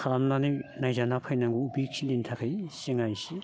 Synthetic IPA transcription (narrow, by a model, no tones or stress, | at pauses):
kʰaɾamnaninajzanapʰajnaŋɡuubiksʰilintʰakʰɯjseŋajsi